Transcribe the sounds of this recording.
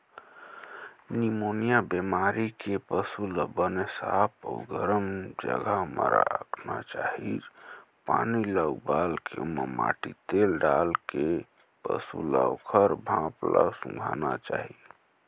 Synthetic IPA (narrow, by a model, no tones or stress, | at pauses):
nimonijabemaɾikepəsuləbənesapʰəɡəɾəmd͡ʒəɡʱaməɾaəknat͡ʃaɦi | paniləɡbalkʰeməma̰ʈit̪elɖalke | pə̰suləwkʰəɾbʱãpləsũŋɡʱanat͡ʃaɦi